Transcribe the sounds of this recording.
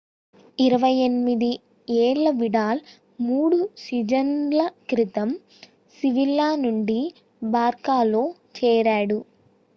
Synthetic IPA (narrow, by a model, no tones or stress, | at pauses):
iɾɐʋɐjenmid̪i | eːɭːɐʋiɽaːl | muːɽusid͡ʒɐnlɐkɾit̪ɐm | siʋilːaːnuɳɖi | baːɾkaːloː | t͡ʃɛːɾaːɽu